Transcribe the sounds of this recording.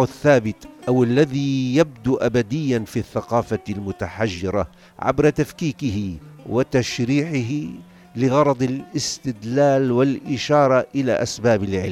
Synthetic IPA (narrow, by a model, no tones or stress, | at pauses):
aθːaːbɪt̪ʔawalːaðijab̚d̪uʔabad̪ɪjːanfiθːaqɑːfalmʊt̪aħaʒːɪɾa̰ | ʕa̰bɾˤɑt̪afkiːkɪɦɪwɪt̪aʃɾiːʕɪɦɪ | lɪɣɑɾˤɑd̪ˤɪlʔɪst̪ɪd̪laːlwɪlʔɪʃɑːɾˤɑʔɪla̰ʔasbaːbɪlʕɪ̰l